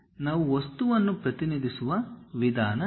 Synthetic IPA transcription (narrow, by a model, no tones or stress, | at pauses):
naːʋuʋɐst̪uʋɐnːupɾɐt̪inid̪ʱisuʋɐʋid̪ʱaːnɐ